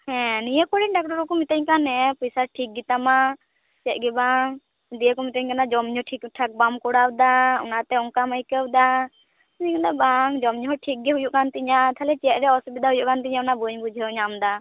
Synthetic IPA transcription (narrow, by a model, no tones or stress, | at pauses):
hɛ̃nijəkɔɽinɖak̚ʈɔɾɔkɔmit̪əɲkanɛpisaɾʈʰik̚ɡit̪ama | t͡ʃɛt̪̚ˀɡɛbaŋ | d̪ijəkɔmit̪əɲkanad͡ʒɔmɲɔʈʰikʈʰak̚bamkɔɽawd̪aṵnat̪ɛɔŋkaməjkəwd̪a | t̪ɲɛkanabaŋd͡ʒɔmɲuɦɔʈʰik̚ɡɛɦujuʔkant̪iɲat̪ʰalɛt͡ʃɛt̪̚ɾɛɔsbid̪aɦujuʔkant̪iɲaunabuɲbud͡ʒʱəwɲamd̪a